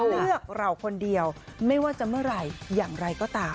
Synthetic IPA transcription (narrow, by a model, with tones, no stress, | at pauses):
ɾɯ˥˩ək̚ɾa˧wkʰo˧ndi˧əwma˥˩jwaː˥˩t͡ɕa˨˧˩mɯ˥˩ɐəɾa˧jjaː˨˩ŋɾa˧jkɔː˥˩t̪aː˧